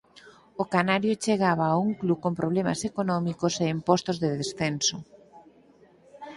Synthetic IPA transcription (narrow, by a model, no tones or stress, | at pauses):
okanaɾjot͡ʃeɣaβ̞aːuŋklukompɾʔoβlema̰sekonɔmikoseimpɔst̪ozðeðesθenso